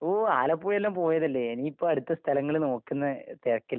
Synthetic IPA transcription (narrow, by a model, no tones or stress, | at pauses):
oːaːlɐpːoːjɐlːaːmpo̞ːjɐðɐlːeeniːpːoːɐɽut̪ːɐst̪ʰɐlɐŋːɐɭno̞ːkːunːɐt̪erɐkːilː